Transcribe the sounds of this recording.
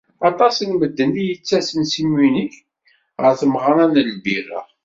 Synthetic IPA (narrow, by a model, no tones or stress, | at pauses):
ɑt̪ˤɑsənməd̪ːənd̪ijət͡sːæsənsimwinəç | ʁəɾθəmʁənænəlbiræ̰